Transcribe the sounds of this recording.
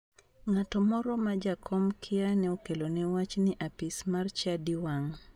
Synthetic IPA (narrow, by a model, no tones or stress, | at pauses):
ŋatɔmɔɾɔmad͡ʒakʰɔmkʰianɛɔkɛlonɛwat͡ʃniʔapismart͡ʃadiwaŋ